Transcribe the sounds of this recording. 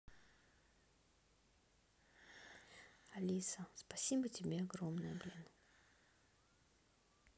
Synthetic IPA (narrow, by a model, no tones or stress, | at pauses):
ɐlʲisəspɐsʲibətʲɪbʲeɐɡromnəjəblʲenə